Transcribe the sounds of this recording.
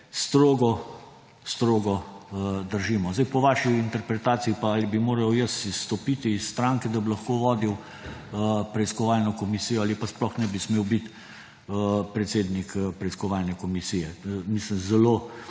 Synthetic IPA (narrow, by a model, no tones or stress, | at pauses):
st̪ɾoːɡɔ | st̪ɾoːɡɔd̪əɾʒiːmɔzd̪ajpɔʋaʃiint̪ɛɾpɾɛt̪aːt̪siipaalibimoːɾɐwjəsisːt̪ɔpit̪iːsːt̪ɾaŋkɛd̪ɐbilɐxkoʋɔːd̪iw | pɾɛiskɔʋaːlnɔkɔmisijɔalipasplɔxnɛbismeːwbit̪ | pɾɛt̪seːd̪nikpɾɛiskɔʋaːlnɛkɔmisijɛmislimzɛlo